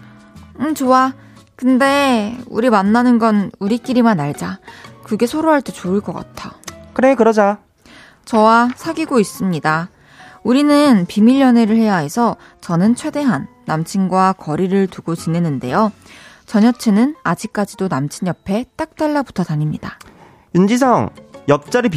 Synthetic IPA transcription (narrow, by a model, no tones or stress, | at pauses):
t͡ɕoa | kɯnde̞ṵɾimanːanɯnɡʌnuɾik͈iɾimanaɭd͡ʑakɯɡe̞sʰoɾoɦaɭt͈e̞t͡ɕoɯɭk͈ʌk͈a̰tʰajokɯɾe̞kɯɾʌd͡ʑa | t͡ɕʌwasʰaɡiɡois͈ɯmɲida | uɾinɯnpimiʎːʌneɾɯɭhe̞jae̞sʰʌ | t͡ɕʌnɯnt͡ɕʰwe̞de̞ɦanːamt͡ɕʰinɡwakʌɾiɾɯɭtuɡot͡ɕine̞nɯnde̞̰jo | t͡ɕʌɲʌt͡ɕʰenɯnad͡ʑik̚k͈ad͡ʑidonamt͡ɕʰiɲjʌpʰe̞t͈ak̚t͈aɭːapu̥tʰʌtaɲimɲida | und͡ʑisʰʌŋjʌk̚t͡ɕ͈aɾɯp